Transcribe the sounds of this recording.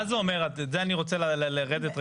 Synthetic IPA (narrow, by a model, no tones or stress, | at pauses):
azuome̞ʁatzeaniʁo̞t͡selallʁedet̪ʁa